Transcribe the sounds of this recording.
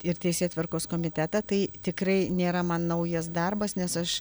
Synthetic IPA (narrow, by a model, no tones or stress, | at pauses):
ɪrt̪ʲɛɪsʲeːt̪ʲʋʲɪrkoːskoːmʲɪt̪ʲæt̪ɐt̪ɐɪt̪ʲɪkɾɐɪnʲeːɾɐmɐnnɐʊjɛs̬d̪ɐrbɐsnʲɛsɐʃ